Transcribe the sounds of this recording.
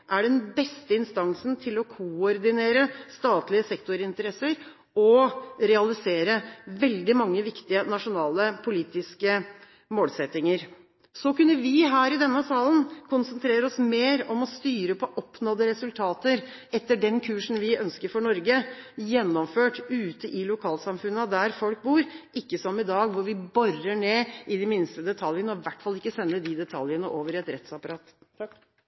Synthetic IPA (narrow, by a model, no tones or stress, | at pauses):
ʔæɖɛnbɛst̪əɪnst̪ɑŋsnt̪ʰɪlɔkʰʊɔɾd̪ɪneːɾəst̪ɑːt̪lɪəsɛkt̪ʊɾɪnt̪əɾɛsəɾ | ɔɾɛɑlɪseːɾəʋɛld̪ɪmɑŋːəʋɪkt̪ɪənɑʂʊnɑːləpʰʊliːt̪ɪskə | moːlsɛt̪ːɪŋəɾ | sɔkʉnːəʋɪɦæːɾɪd̪ɛnːəsɑːlənkʰʊnsənt̪ʰɾeːɾəɔsmeːɾɔmɔst̪yːɾəpʰɔʔɔpːnɔd̪əɾɛsʉlt̪ʰɑːt̪əɾ | ɛt̪ːəɖɛnkʰʉːʂn̩ʋɪœnskəɾfɔɳɔɾɡəjɛnːɔmføːʈʉːt̪əʔɪlʊkʰɑːlsɑmfʉnːəd̪æɾfɔlk̚buːɾʔɪkːəsɔmɪd̪ɑːɡʋʊɾʋɪbɔrəɳeːʔɪd̪ɪmɪnst̪əd̪ɛt̪ʰɑljənəɔʋæʈːfɑlɪkːəsɛnːəd̪ɪd̪ɛt̪ʰɑljənəʔoːʋəɾɛt̪ɾɛt̪sɑpɑɾɑːt̪